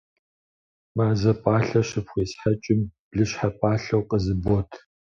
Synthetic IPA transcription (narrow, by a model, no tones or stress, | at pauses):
maːzɐpʼaːɬɐɕɨpxʷeːsħat͡ʃʼɪmb̥ɮɨɕħapʼaːɬɐwqʼəzɨboːtʰ